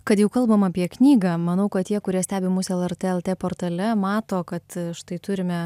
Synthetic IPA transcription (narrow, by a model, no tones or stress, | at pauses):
kɐt̪jɛʊkɐlˠbɐmɑːpʲiɛknʲiːɡɑːmɐnɐʊkɐt̪t̪ʲiɛkʊɾʲiɛsʲt̪ʲæːbʲemʊːsɛlˠɛrʲt̪ʲeɛlˠt̪ʲeːpoːɾt̪ɐlʲɛmɑːt̪oːkɐt̪ʃt̪ɐɪt̪ʊɾʲɪmʲɛ